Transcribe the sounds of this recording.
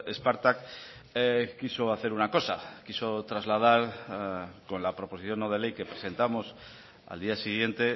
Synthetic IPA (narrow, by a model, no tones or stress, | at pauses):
espaɾt̪ak | kiso̞aθe̞ɾunako̞sakiso̞t̪ɾazlað̞aɾ | ko̞nlapɾo̞po̞siθjo̞nːoðe̞le̞jke̞pɾe̞se̞nt̪amo̞s | a̰ld̪iasiɣ̞je̞nt̪e̞